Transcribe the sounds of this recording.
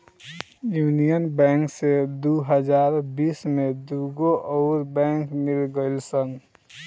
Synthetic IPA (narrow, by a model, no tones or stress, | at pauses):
juːnijənbɛ̃ːŋksed̪uɦəd͡ʒaːɾbiːsmẽd̪uɡoʔɔʊɾbɛ̃ːŋkmɪlɡəɪlsəŋɡ